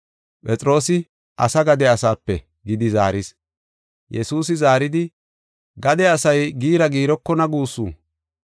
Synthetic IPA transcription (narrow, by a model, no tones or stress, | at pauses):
pʼɛt͡sʼɾo̞ːsɪ | ʔɐ̰sɐɡɐd̪ɛɐsaːpːɛ̰ | ɡɪd̪ɪza̰ːɾɪs | jʔɛsuːs̬ɪzaːɾɪd̪ɪ | ɡɐd̪ɛɐsɐjɡiːɾɐɡiːɾɔkːɔnɐɡuːsːṵː